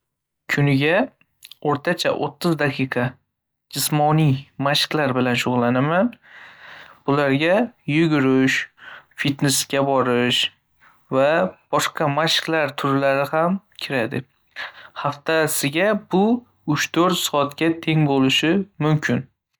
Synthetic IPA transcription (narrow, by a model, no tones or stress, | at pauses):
kʲʰʊnɪɡʲa | oɾt̪ʰat͡ʃʰa̰ʔo̰t̪ʰːɨzd̪aqʰɨqʰɑ | d͡ʒɪsmɒnijmaʃqlaɾbɪlanʃʊʁlˠːanaman | b̥ʊlaɾɡʲajʊɡʲʊɾɪʃfit̪neskʲabɒɾɪʃ | vab̥ɒʃqɑmaʃqlaɾt̪ʰʊɾlaɾɪhamkʲʰɪɾad̪ɪ̰ | haft̪ʰasɪɡʲabʊ | ʊt͡ʃt̪ʰɵɾt̪sɒːt̪kʲat̪ʰe̞ŋbolɪʃɪmʊmkʲʰɪn